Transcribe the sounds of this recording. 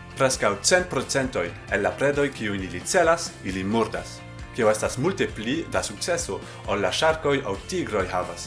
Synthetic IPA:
pɾe̞skawt͡se̞nt̚pɾo̞t͡se̞nto̞j | enːapɾe̞do̞jkiujilit͡se̞lasilimuɾdas | kioe̞stasmulte̞plidasuk̚t͡se̞so | olːaʃaɾko̞jawtiɡɾo̞jɦavas

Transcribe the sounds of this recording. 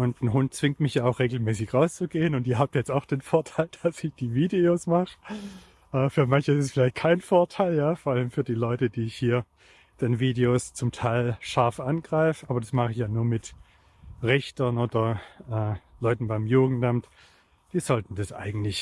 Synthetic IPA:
ʔʊntn̩ɦʊnt̚t͡sv̥ɪŋtmɪçjaːaʊxʁ̥eːɡl̩mɛːsɪçʁaʊst͡suɡeːənʊntiɐɦaːb̚jɛt͡staʊxd̥eːnfoːɐtʰaɪld̥asɪçd̥iːviːdeoːsmaχə | ʔɛːfyːɐmançəɪssfɪlaɪçt̚kʰaɪnfoɐtʰaɪljaːfoːɐʔaləmfyːɐdiːlɔʏtəd̥iːɪçhiːɐ | d̥anviːdeoːst͡sʊmtʰaɪlʃaɐfʔanɡʁaɪfəʔaːbɐdasmaχɪçjaːnuːɐmɪt | ʁɛçtɐnoːdɐʔɛːlɔʏtn̩baɪmjuːɡŋ̩tamt | d̥iːzɔltn̩d̥asʔa̰ɪɡŋ̩tlɪç

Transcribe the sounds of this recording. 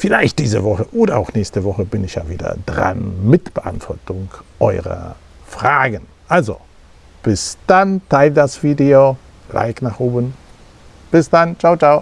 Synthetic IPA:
fɪlaɪçt̚d̥iːzə̰vɔχəʔoːdɐa̰ʊxnɛːçstəvɔχəbɪnɪçja̰ːviːdɐ̰dʁa̰nmɪtb̥əʔa̰ntv̥ɔɐtʊŋʔɔʏʁɐ̰ | fʁ̥aːɡən | ʔalzo̰ | b̥ɪsd̥antʰaɪldasv̥iːdeo | lʔa̰ɪknaːχʔoːbən | b̥ɪsd̥ant͡ʃaʊt͡ʃaʊ

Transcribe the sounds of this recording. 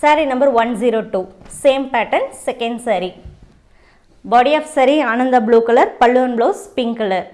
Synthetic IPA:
sɐɾinɐmbɐɾʋɐnziɾoːʈuːseːmpæːʈːɐnsɛkɐɳɖsɐɾi | bɔːɽiaːfsɐɾiaːnɐnd̪ɐbɭuːkɐlɐɾpɐɭːɯʋɐnbɭoːspɪŋkɐlɐɾ

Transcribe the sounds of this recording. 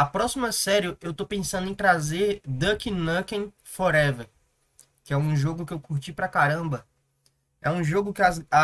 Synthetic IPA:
ɐpɾɔsimɐsɛɾjʊʔewt̪opẽsɐ̃nd̪ʊẽj̃t̪ɾazeɾd̪ɐkinɐkẽ | fɔɾɛvɛɾ | kɪɛũʒoɡʊkɪewkuɾt͡ʃipɾɐkaɾɐ̃bɐ | ɛũʒoɡʊkɪaza

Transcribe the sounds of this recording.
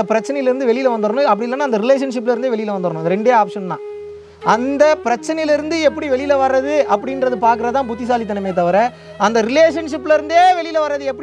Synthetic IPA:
ɐpɪɾɐt͡ʃːɐnɐjɪlɪɾɯnd̪ɯʋɛɭɪjɪlɐʋɐnd̪ɯɾnʊ̃ɐpːɐɽɪlːɐːnːaːɐnd̪ɐɾɪleːʂ̬ɐnʂ̬ɪpːɪlɪɾɯnd̪eːʋɛɭɪjɪlɐʋɐnd̪ɯɾnʊ̃ɐnd̪ɾɛɳɖeːaːpʂɐnnã̰ː | ʔɐnd̪ɐpɪɾɐt͡ʃːɐnɐjɪlɪɾɯnd̪ɯɛpːɐɽiʋɛɭɪjɪlɐʋɐɾɐðɯɐpːɐɽɪnɾɐðɯpaːɾkɯɾɐt̪ãːpʊt̪ːɪs̬aːlit̪ɐnɐmɐjt̪̬ɐʋɐɾɛ | ɐnd̪ɐɾɪleːʂɐnʂɪpːɪlɪɾɯnd̪eːʋɛɭɪjɪlɐʋɐɾːɐðɯɛpːɐ

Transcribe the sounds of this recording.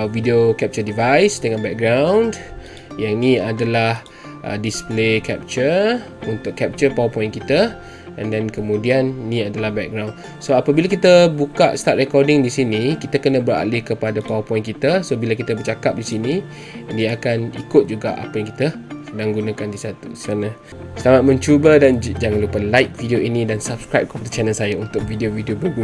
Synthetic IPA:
vidiokɛp̚t͡ʃədivajsdəŋanbɛk̚ɡɾawnd | janĩadalah | ʔə̰displekɛp̚t͡ʃə | unt̪ʊkːɛp̚t͡ʃəpawapɔjɪ̃nkit̪a | ɛ̃ndɛnkəmũdiannĩadalahbɛk̚ɡɾawn | soapabilakit̪əbukaʔst̪at̪̚rɛkɔrdɪŋdisinikit̪akənəbəɾa̰lɪhkəpadapawəpɔĩnkit̪asobilakit̪abət͡ʃakap̚disini | diakanḭkʊt̪̚d͡ʒuɡa̰ʔa̰pajãŋki̥t̪asədaŋɡunãkandisat̪usanə̃ | səlamat̪̚mə̃ɲt͡ʃubədand͡ʒaŋanlupalajk̚vidioʔinĩdansapskɾajp̚kəpadat͡ʃɛnəlsajaunt̪ʊk̚vidiovidiobəɡu

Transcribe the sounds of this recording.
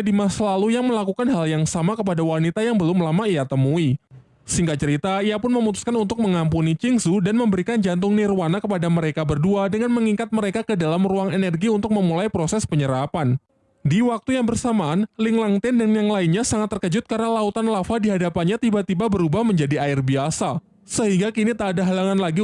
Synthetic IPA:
dimasalalujaŋməlakukanɦaljaŋsamakəp̬adawanit̪ajaŋbəlʊmlamaijat̪əmui | səhiŋɡat͡ʃəɾit̪aiapʊnməmut̪u̥skanunt̪ʊk̚məŋampunit͡ʃɪŋsudanməmbəɾikand͡ʒant̪̬ʊŋnirwanakəpadaməɾekabərduadəŋanməŋikat̪̚məɾekakədalamruaŋenɛrɡiunt̪ʊk̚məmulajpɾosɛspəɲəɾapan | diwak̚t̪ujaŋbərsamaːnlɪŋlaŋt̪ɪndanjaŋlainɲasaŋat̪ːərkəd͡ʒʊt̪̚karənalaut̪anlafadiɦadapanɲat̪ibat̪ibabəɾubahməɲd͡ʒadiaɪrbiasa | səɦiŋɡakinit̪aːdaɦalaŋanlaɡi

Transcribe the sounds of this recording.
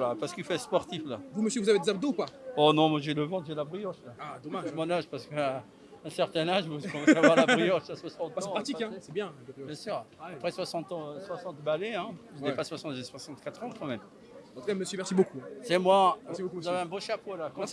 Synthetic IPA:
lapaʁsə̥kifɛspɔʁt̪iflavuməsjəvuzaved̪ezab̚d̪oupaɔnɔ̃mwaʒeləvɑ̃t̪ʒelabʁijɔʃlaad̪oaʒmɔ̃naʒpaʁsə̥kə | ɛ̃sɛʁt̪ɛ̃naʒukɔ̃vavwaʁlabʁijɔʃaswasɑ̃t̪sɛ̃pχat̪ikɛ̃sɛbjɛ̃bjɛ̃syʁpχɛswasɑ̃t̪ɑ̃swasɑ̃t̪baleɛ̃pəʒənɛpaswasɑ̃t̪ʒɛswasɑ̃t̪kat̪χɑ̃kɑ̃mɛm̃ | t̪ukaməsømɛʁsibokuɛ̃sɛmwaɛsiokuzavɛɛ̃boʃapolakɑ̃s

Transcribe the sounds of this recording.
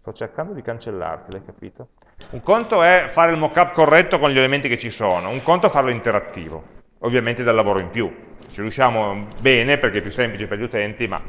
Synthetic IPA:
st̪ɔt͡ʃːerkand̪od̪ikant͡ʃelːa̰rt̪ilajkapiːt̪o | uŋkont̪oɛfaːɾeilmɔkːapːkorːɛt̪ːokonʎelement̪iket͡ʃːisoːnouŋkont̪ofarloint̪eɾat̪ːḭːvo̰ | ovːjament̪ed̪alːavoːɾoimpju | t͡ʃiɾjuʃaːmobɛːneperkeɛpːjusːemplit͡ʃeperʎiut̪ɛnt̪ima̰

